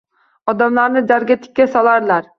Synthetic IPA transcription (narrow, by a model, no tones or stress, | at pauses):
ɒd̪amlaɾnɪd͡ʒ̪aɾɡʲat̪ʰɪ̥kʲːasɒlˠaɾlaɾ